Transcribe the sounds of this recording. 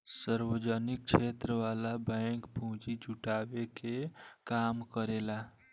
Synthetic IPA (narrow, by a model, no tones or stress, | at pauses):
səɾʋəd͡ʒənik̚t͡ʃʰet̪ɾəʋalabə̃ɪŋkpũɦt͡ʃid͡ʒuʈabekekaːmkəɾela